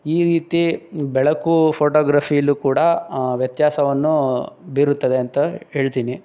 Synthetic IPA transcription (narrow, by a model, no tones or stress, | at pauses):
iːɾiːt̪ibɛɭɐkupʰoːʈoːɡɾaːpʰijɐlːukuːɽɐʋjɐt̪jaːsɐʋɐnːubiɾut̪ːɐd̪e̞ɐnt̪ɐɦe̞ːɭt̪iːni